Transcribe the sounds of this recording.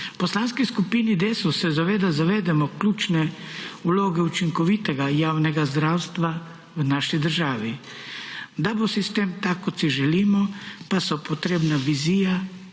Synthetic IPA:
pɔslaːnskiskupiːnid̪esusɛzaʋeːd̪azaʋeːd̪ɛmɔklʲuːt͡ʃnɛuloːɡɛut͡ʃiŋkɔʋiːt̪ɛɡajaːwnɛɡazd̪ɾaːwst̪ʋa | wnaːʃid̪əɾʒaːʋi | d̪abosist̪eːmt̪akːɔt̪siʒɛliːmɔpasɔpɔt̪ɾeːbnaʋiziːja

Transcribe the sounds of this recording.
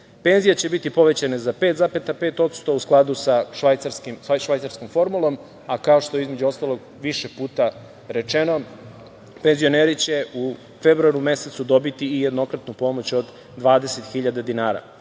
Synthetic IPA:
pe̞nzijet͡ɕe̞bit̪ipo̞ʋe̞t͡ɕanezape̞ːt̪zapet̪ape̞ːt̪o̞t̪st̪o̞usklˠad̪usaʃʋajt̪saɾskimʃʋajt̪saɾsko̞mfo̞ɾmulo̞m | akao̞ʃt̪o̞jeizme̞d͡ʑuo̞st̪alˠo̞ɡ | ʋiʃe̞puːt̪a | ɾe̞t͡ʃeno̞ | pe̞nzio̞neːɾit͡ɕe̞u | febɾuaɾume̞se̞t̪sud̪o̞bit̪iːjed̪no̞kɾat̪nupo̞mo̞t͡ɕo̞d̪ː | ʋaːd̪e̞se̞t̪xiʎad̪ad̪inaːɾa̰

